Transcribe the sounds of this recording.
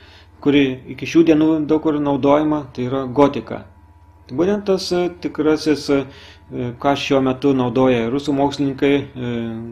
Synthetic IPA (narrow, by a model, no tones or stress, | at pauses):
kʊɾʲɪɪkʲɪʃʲuːd̪ʲiɛnuːd̪ɐʊkʊrnɐʊd̪oːjɛmɐt̪ɐɪiːɾɐɡoːt̪ʲɪkɐ̰ | t̪ɐɪbuːt̪ʲɛnt̪t̪ɐst̪ʲɪkɾɑːsʲɪs | kɑːʃʲuɔmʲɛt̪ʊnɒʊd̪oːjɛɾʊsuːmoːksʲlʲɪnʲɪŋkɐɪ